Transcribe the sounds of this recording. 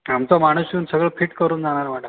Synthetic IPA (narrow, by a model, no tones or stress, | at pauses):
amt͡sɔmaɽ̃usjuːnsəɡɭəfiːʈkəɾuːnd͡zaɽ̃aɾmaɽə